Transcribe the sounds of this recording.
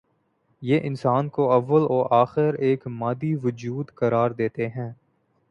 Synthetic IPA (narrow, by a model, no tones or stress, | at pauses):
jeːʔɪ̃nsaːnkoɐʋːəlɔːɾʔaːxɪɾeːkmaːd̪iʋʊd͡ʒuːd̪kɐɾaːɾd̪eːt̪eɦɛ̃ː